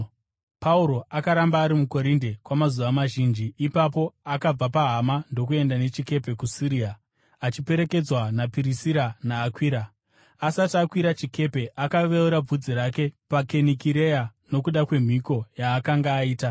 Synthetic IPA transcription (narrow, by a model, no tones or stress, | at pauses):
pauɾo̞akaɾambaːɾimuko̞ɾindekwamazuʋamaʒind͡ʒiːpapo̞akab͡vapaɦamando̞k̬ue̞ndane̞t͡ʃike̞pe̞kusiɾia | at͡ʃipe̞ɾe̞ke̞d͡zwanapiɾisiɾanaːkwiːɾa | asatakwiɾat͡ʃike̞pe̞ʔakaʋeuɾab͡vud͡ziɾake̞pake̞nikiɾe̞jano̞kuɗakwe̞m̤iko̞jaːkaŋɡaːiːta